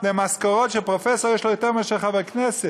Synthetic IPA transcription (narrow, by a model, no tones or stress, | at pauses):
dɛmaskaʁɔtʃepʁofɛsoʁjɛːʃlojotɛʁmɛʃɛχavaknɛsɛ